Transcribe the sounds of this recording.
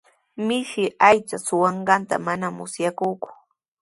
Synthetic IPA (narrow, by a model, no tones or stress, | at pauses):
mɪʃɪajt͡ʃasʊwɑɴɢɑnt̪a̰manamʊ̰sjakʊːkʊ̥